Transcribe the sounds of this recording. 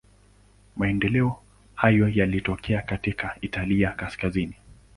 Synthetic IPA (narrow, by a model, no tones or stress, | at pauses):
maɛndɛlɛɔ | hajɔjalitɔkʰɛakatikaitaliakaskazini